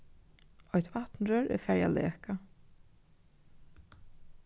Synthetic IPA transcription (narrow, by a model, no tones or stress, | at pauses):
ɔht̪vaht̪nɾœːɾɛ̰ɾfɛɹja̰lɛ̰ːka